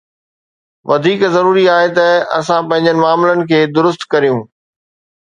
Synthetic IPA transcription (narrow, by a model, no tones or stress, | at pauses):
ʋɐd̪ʱiːkzɐɾuːɾiaːɦet̪ɐɐ̰sãpɐ̃ɦɪ̃ɲd͡ʑənɪ̆maːmɪlənɪ̆kʰeːd̪ʊɾʊst̪kɐɾijũː